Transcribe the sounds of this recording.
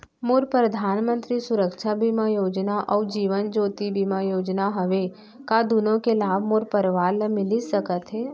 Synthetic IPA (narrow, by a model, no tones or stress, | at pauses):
moːɾpɾəd̪ʱaːnmə̃nt̪ɾisʊɾəkʃʰabʱimãjoːd͡ʒnaʔɔːɾd͡ʒiːʋənd͡ʒoːt̪ibʱimãjoːd͡ʒnaɦɐʋe | kad̪ʊnõkelaːbʱmoːɾpəɾʋaːɾləmɪlisəkət̪ɦɛː